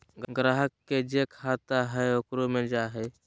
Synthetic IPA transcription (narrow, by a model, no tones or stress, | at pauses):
ɡɡɾaɦəkːed͡ʒekʰat̪aɦɛokɾumẽd͡ʒaɦɛ